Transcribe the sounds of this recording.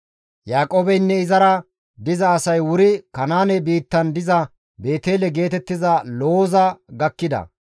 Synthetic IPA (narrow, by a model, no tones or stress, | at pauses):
jaːkʼoːbɛjnːɛɪzɐɾɐ | d̪ɪzɐːsɐjwʊɾɪkɐnaːnɛbiːt̪ːɐnd̪ɪzɐ | be̞ːt̪eːlɛɡe̞ːt̪ɛt̪ːɪzɐloːzɐɡɐkːɪd̪ɐ̰